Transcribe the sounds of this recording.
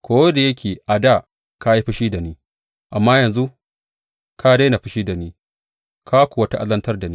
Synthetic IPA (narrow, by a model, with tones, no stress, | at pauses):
kʷoː˦wɐ˦da˨jɐ˦kʲʰeː˨ʔa˨da˦˨ | ka˦i˦ɸɪ˦ʃiː˦da˨niː˦ | ʔa˨mːaː˦jɐ˨nzu˦ | ka˦da˦na˨ɸɪ˦ʃiː˦da˨niː˦ | ka˦kʷu˨ɐ˦ta˦ʔa˦lɐ˦ntɐ˦rda˨ni˦